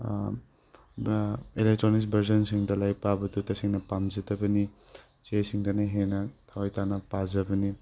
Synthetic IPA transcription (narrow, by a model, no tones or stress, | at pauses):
elek̚tɾonis̬bʱɐɾsɔnsiŋdɐlajpabɐtutɐsiŋnɐpamzitɐbɐni | t͡ʃesiŋdɐnaɦenɐtʰawajtanɐpazɐbɐni